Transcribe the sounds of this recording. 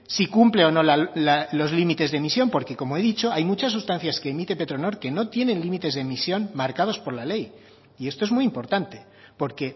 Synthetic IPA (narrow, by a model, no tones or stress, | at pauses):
sikumple̞o̞no̞lalalo̞zlimit̪e̞zðemisjo̞mpo̞ɾke̞ko̞mo̞e̞ðit͡ʃo̞ajmut͡ʃasːust̪an̟θjaske̞ːmit̪e̞pe̞t̪ɾo̞no̞ɾke̞no̞t̪je̞nẽ̞nlimit̪e̞zðe̞misjo̞nmaɾkað̞o̞spo̞ɾlale̞j | ie̞st̪o̞emuijimpo̞ɾt̪ant̪e̞ | po̞ɾke̞